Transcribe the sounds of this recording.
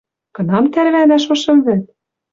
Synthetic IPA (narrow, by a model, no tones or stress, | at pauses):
kɤ̆nɑmt̪æɾβænæʃoʃɤ̆mβɘ̆t̪̚